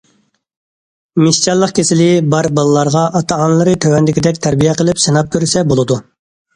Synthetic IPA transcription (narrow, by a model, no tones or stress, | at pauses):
mɪʃt͡ʃɑlˠːəqkʲʰesɪlɪbɑɾbɑlˠlˠɑɾʁɑʔɑt̪ʰɑɑnlˠɨɾɨt̪ʰøwɛnd̪ɪkʲid̪ɛkʲt̪ʰæɾbijɛqʰəlˠɪpsɨnɑp̚kʲøɾysɛbolˠɨd̪u